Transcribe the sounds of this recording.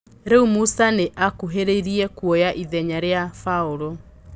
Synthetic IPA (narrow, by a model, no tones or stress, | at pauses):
ɾɛumusaneʔakuɦeɾeiɾiɛkwojaʔiðɛɲaɾeafauɾo